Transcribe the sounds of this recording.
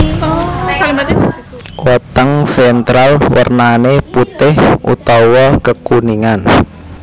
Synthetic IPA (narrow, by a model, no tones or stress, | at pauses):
wɔt̪əŋfɛnt̪ɾalwə̰rnaneput̪ɪhʔṵt̪ɔwɔkəkuniŋan